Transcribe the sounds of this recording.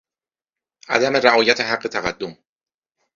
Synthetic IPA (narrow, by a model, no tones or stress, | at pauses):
ʔæ̰d̪æme̞ɾæʔɒːjæt̪ʰe̞ɦæɡːe̞t̪ʰæɣæd̪ːom